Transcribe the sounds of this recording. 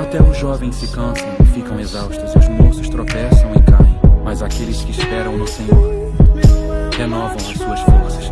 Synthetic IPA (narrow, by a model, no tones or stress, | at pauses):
at̪ɛʊʒɔvẽj̃sɪkɐ̃sɐ̃w̃fikɐ̃w̃ɐzawʃt̪ɾɐzuzmosʊʃt̪ɾopɛsɐ̃w̃ikaẽj̃mɐzakelɪʃkɪʃpɛɾɐ̃w̃ɐseɲoɾ | henɔvɐ̃w̃ɐʃsuɐʃfoɾsɐ̥ʃ